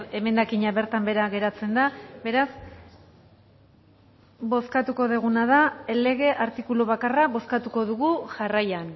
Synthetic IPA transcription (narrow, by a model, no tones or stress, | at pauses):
e̞me̞nd̪akiɲaβe̞ɾt̪ambe̞ɾaɣe̞ɾat͡se̞nd̪abe̞ɾas | bo̞skat̪uko̞ðeɣ̞unaðaele̞ɣe̞ʔaɾt̪ikuluβakaraβo̞skat̪uko̞ðuɣuʝarajan